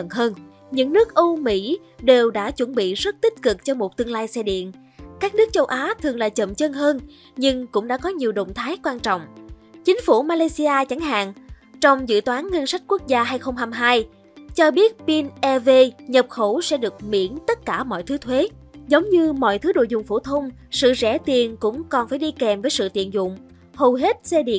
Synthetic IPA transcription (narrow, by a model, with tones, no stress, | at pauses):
ə˧˨nɦəː˧n | ɲɨ̰˧˥ŋnɨ˦˥ək̚ʔu˧mḭ˧˥ | ɗe˨˩wɗa̰ː˧˥t͡ɕwə˧˩nɓḭ˧˨zə˦˥t̚t̪ï˦˥k̚kɨ˨˩k̚t͡ɕɔ˧mo˨˩t̚t̪ɨ˧əŋlaː˧jsɛ˧ɗḭ˧˨ən | kaː˦˥k̚nɨ˦˥ək̚t͡ɕə˧wʔaː˨˦t̪ʰɨ˨˩əŋlaː˨˩t͡ɕə̰˧˨mt͡ɕə˧nɦəː˧n | ɲɨ˧ŋkʊ̰˧˥ŋ͡mɗa̰ː˧˥kɔ˨˦ɲi˨˩əwɗo̰˧˨ŋ͡mt̪ʰaː˨˦jkwaː˧nt͡ɕɔ̰˧˨wŋ͡mt͡ɕï˨˦ŋ̟fu˧˩maː˧laː˧jsi˧aː˧t͡ɕa˨˦ŋɦa̰ː˧˨ŋ | t͡ɕɔ˧wŋ͡mzɨ̰˧˨t̪waː˨˦nːə˧nsa˦˥jk̟̚kwu˦˥k̚zaː˧ɦaː˧jxə˧wŋ͡mɦaː˧mɦaː˧j | t͡ɕɔ˧ɓi˦˥ət̚pi˧nʔɛ˧ve˧ɲə˨˩p̚xo˧˩sɛ̰˧˥ɗɨ˨˩ək̚mḭ˧˥ənt̪ə˦˥t̚kaː˧˩mɔ̰˧˨jt̪ʰɨ˨˦t̪ʰwe˨˦ | zə˨˦wŋ͡mɲɨ˧mɔ̰˧˨jt̪ʰɨ˨˦ɗo̰˧˨jzʊ̰˨˩˨ŋ͡mfo˧˩t̪ʰə˧wŋ͡m | sɨ̰˧˨zɛ̰˧˩t̪i˨˩ənkʊ̰˧˥ŋ͡mkɔ˨˩nfaː˧˩jɗi˧kɛ˨˩mvəː˨˦jsɨ̰˧˨t̪ḭ˧˨ənzʊ̰˧˨ŋ͡m | hə˨˩ɦe˦˥t̚sɛ˧ɗḭ˧˨ə